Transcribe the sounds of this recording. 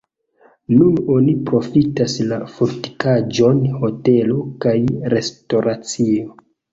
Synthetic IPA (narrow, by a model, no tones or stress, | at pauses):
nuno̞nipɾo̞fitaslafuɾti̥kad͡ʒo̞nho̞te̞lo̞kajɾe̞sto̞ɾʔat͡sio̞